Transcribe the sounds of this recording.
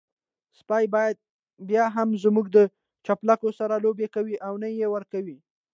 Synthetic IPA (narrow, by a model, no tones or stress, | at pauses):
spɑjbɑjad̪̚ | bjɑɦamzmuɡd̪ə | t͡ʃaplakosaɾalobekawiʔawnajewəɾkawi